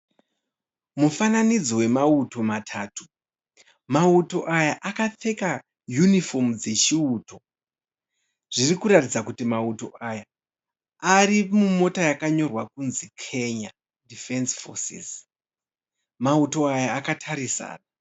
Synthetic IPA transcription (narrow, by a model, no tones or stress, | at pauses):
mufananid͡zowe̞mauto̞matʰaːtu̥ | mauto̞ʔajaʔakatʰe̞ka | junifo̞mud͡ze̞t͡ʃiuːto̞ | ʐ̥irikuɾatid͡zakutimauto̞ʔaja | arimumo̞tajakaɲo̞rwakunzikʰe̞ɲa | dife̞nsfo̰sḭs | mauto̞ajaːkatʰaɾisa̰ːna